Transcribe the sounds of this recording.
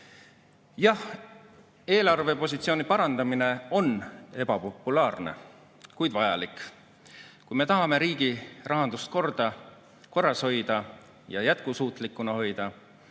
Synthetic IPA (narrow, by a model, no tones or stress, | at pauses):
jɑh | e̞ːlɑrve̞po̞s̬ʲit̪sio̞ːnipɑɾɑnd̪̥ɑmine̞o̞ne̞b̥ɑpo̞pːˑulɑːrnḛ | kujd̪vɑjɑ̰likˑ | kujme̞t̪ɑɦɑme̞ɾiːɡ̥irʔɑɦɑnd̪ust̪̚ko̞rd̪̥ɑ | ko̞rːɑsho̞jd̪̥ɑ | jɑjæt̪̚kusuːt̪ˑlikːˑunɑho̞jd̪̥ɑ